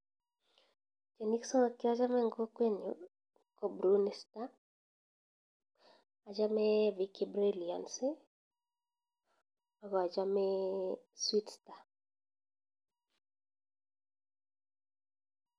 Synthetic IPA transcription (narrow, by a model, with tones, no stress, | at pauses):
t͡ʃe˨ni˦ksɔ˦ŋa˨ki˦a˦d͡ʒa˦mɛ˦ŋɡo˦kwe˦ɲo | ko˨bɾunɛ˨sta˦˨ | d͡ʒa˦mɛ˦viki˨bɾelia̰˨nse˦ | a˨ɡɔ˨a˨d͡ʒa˦mɛ | swi˦tsta˨